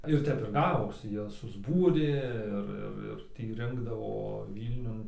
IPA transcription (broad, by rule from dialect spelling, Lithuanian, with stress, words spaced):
ɪr ˈtʲɛp ɪr ˈɡɑːʋoːsʲɪ ˈjoːs sʊzˈbuːrʲeː ˈɪr ˈɪr ɪr ˈtʲiː ˈrʲɪŋɡdɐʋoː ˈʋʲiːlʲnʲʊn